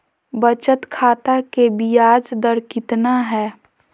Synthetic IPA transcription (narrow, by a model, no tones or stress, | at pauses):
bət͡ʃət̪kʰaːt̪akebijaːd͡ʒd̪əɾkɪt̪naɦɛː